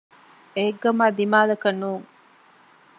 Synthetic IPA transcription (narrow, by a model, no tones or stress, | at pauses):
eɡːɐmaːd̪imaːlɐkɐnːuːŋ